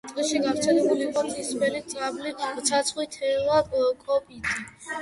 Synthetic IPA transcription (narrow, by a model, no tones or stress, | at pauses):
t̪ʼiʃiɡavɾt̪sʰɛlɛbuliqʼɔt̪ʰisbɛlit̪sʼablit̪sʰat̪sʰχwit̪ʰɛvakʼɔpʼit̪ʼi